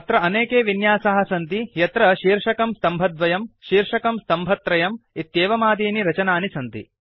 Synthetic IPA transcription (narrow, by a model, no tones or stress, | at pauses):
ɐt̪ɾɐɐneːkeːʋinjaːsɐɦɐ̆sɐnt̪ijɐt̪ɾɐʃiːɾʂɐkɐmst̪ɐmbʱɐd̪ʋɐjɐmʃiːɾʂɐkɐmst̪ɐmbʱɐt̪ɾɐjɐmit̪jeːʋɐmaːd̪iːniɾɐt͡ʃɐnaːnisɐnt̪ḭ